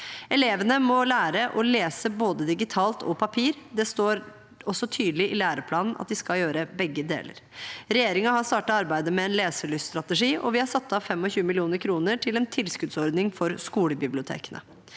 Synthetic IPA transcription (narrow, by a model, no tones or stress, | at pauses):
ɛleːʋənəmɔlæːɾəʔɔleːsəboːd̪əd̪ɪɡɪt̪ʰɑːlt̪ʰɔ̰pʰɑpʰiːɾd̪ɛst̪oːɾ | ɔsːɔt̪ʰyːd̪lɪʔɪlæːɾəpʰlɑːnn̩ʔɑ̰t̪̚d̪ɪskɑljøːɾəbɛɡːəd̪ḛːlə̰ɾɾɛjeːɾɪŋɑhɑst̪ɑːʈɑɑɾbæɪd̪əmɛɛːnleːsəɭysst̪ɾɑt̪əʂiːʔɔ̰ʋɪhɑɾsɑt̪ːɑfɛmːɔçʉːəmɪlɪuːnəɾkʰɾuːnəʈʰɪlɛnt̪ʰɪlskʉd̪sɔɾd̪nɪŋfɔɾskuːləbɪblɪʊt̪ʰḛːkənʔə̰